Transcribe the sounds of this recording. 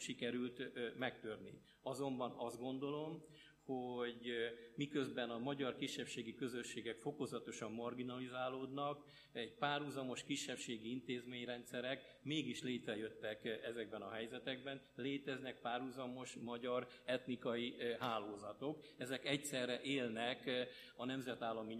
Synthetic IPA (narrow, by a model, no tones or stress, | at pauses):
ʃikɛɾylt̪mɛkt̪ørnḭ | ɒzo̞mbɒnɒzd̪̚ɡo̞nd̪o̞lo̞m | hoɟmikø̞zbɛnɒmɒɟɒrkiʃːɛpʃeːɡikø̞zø̞ʃːeːɡɛkfo̞ko̞zɒt̪o̞ʃɒmːɒrɡinɒlizaːloːd̪nɒk | ɛɟpaːrhuzɒmo̞ʃkiʃːɛpʃeːɡiint̪eːzmeːɲrɛnt̪sɛɾɛk | meːɡiʃleːt̪rɛjø̞t̪ːɛkɛzɛɡbɛnɒɦɛjzɛt̪ɛɡ̚bɛnleːt̪ɛznɛk̚paːrhuzɒmo̞ʃmɒɟɒɾ | ɛt̪nikɒjiɦaːloːzɒt̪o̞k | ɛzɛkɛc̚tsɛrːɛʔeːlnɛk | ɒnɛmzɛt̪aːlːɒmi